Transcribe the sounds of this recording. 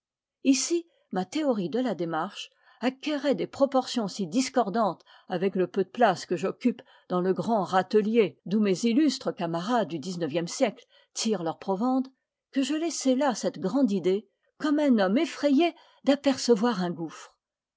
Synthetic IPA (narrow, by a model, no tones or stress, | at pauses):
isi | mat̪eɔʁid̪əlad̪emaʁʃ | akʲɛʁɛd̪epχɔpɔʁsjɔ̃sid̪iskɔʁd̪ɑ̃t̪ | avɛkləpød̪əplaskəʒɔkʲyp | d̪ɑ̃ləɡʁɑ̃ʁat̪əljed̪umezilyst̪χəkamaʁad̪̚ːyd̪iznəvjɛmsjɛkl | t̪ʰiʁlœʁpχɔvɑ̃d̪ | kəʒəlɛsɛlasɛt̪ɡʁɑ̃d̪id̪e | kɔmɛ̃nɔmefχɛje | d̪apɛʁsəvwaʁɛ̃ɡufχ